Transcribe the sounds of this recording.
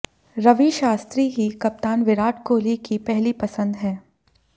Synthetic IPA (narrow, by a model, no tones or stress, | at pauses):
ɾɐʋiʃaːst̪ɾiɦikɐp̚t̪aːnʋɪɾaːʈʰkoːlikipɛɦlipɐsə̃nd̪ɦɛ̃ː